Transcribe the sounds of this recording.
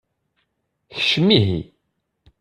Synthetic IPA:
çə̥ʃəmːiɦḭ

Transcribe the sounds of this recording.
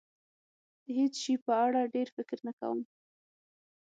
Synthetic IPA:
d̪̥əɦet͡sʃipəaɽaɖeɾfɪkɾnaka̰wə̰m

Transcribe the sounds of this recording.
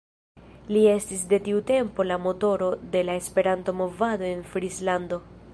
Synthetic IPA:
lie̞stisde̞tiute̞mpo̞lamo̞to̞ɾo̞de̞lae̞spe̞ɾanto̞mo̞vado̞e̞nfɾislando̞

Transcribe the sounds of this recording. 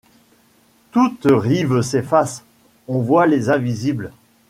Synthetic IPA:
t̪ut̪ʁivəsefas | ɔ̃vwalezɛ̃vizibl

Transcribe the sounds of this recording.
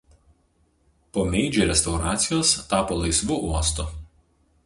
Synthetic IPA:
poːmʲɛɪd͡ʒʲuˑɾʲɛst̪ɒʊɾɑːt̪sʲɪjoːst̪ɑːpoːlˠɐɪsʋuʔuɔst̪ʊ

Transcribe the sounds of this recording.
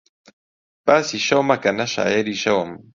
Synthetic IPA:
pasiʃawmakanaʃa̰jeɾiʃawam

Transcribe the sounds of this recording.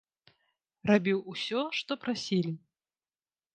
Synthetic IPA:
rabʲiwusʲɔʂt̪ɔpɾasʲilʲi

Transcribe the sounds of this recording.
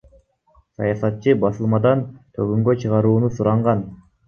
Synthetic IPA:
sɑ̰jɑsɑt̪̚t͡ʃɯbɑsɯlˠmɑd̪ɑnt̪ʰøɡyŋɡøt͡ʃʰɯʁɑɾuːnusuɾɑɴʁɑn

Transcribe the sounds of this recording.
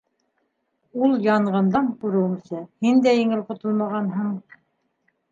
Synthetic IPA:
ulˠjɑɴʁɤ̆nd̪ɑmkʉɾɘ̆wɘ̆msɘhind̪æjɘ̆ŋɘlqŏt̪ŏlˠmɑʁɑnɦɤɴ

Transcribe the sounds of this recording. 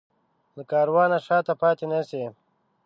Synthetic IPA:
ləkaːɾwɑːnaʂaːt̪apɑːt̪enase

